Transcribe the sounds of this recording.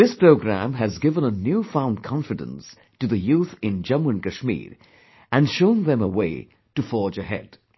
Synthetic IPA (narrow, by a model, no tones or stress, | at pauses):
ðɪspʰɹ̥oʊɡɹæ̰̃mɨzɡɪvə̃nənjʉfãʊ̃ndkʰɑ̃ɱfɨdɨ̰̃ns | tɨðɨjuθɪ̃nd͡ʒʌ̃mwə̃nkɨʃmḭɹ | ɨ̃nʃõʊ̃nðɨ̃məweɪ | tɨfɔɹd͡ʒɨhɛ̰d̥